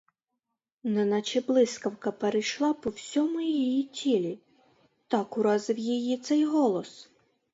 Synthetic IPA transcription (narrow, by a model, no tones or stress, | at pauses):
nɛnɐt͡ʃɪblˠɪskɐwkɐpeɾɪjʃlˠɑpɔwsʲɔmʊjijitʲʰilʲi | t̪ɑkʊɾɑzɪwjijit̪sɛjɦɔlˠɔs